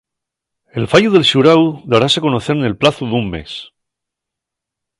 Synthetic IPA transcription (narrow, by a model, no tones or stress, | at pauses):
e̞lfaʝuðe̞lʃuɾawðaɾase̞ko̞noθe̞ɾne̞lplaθuðumme̞̰s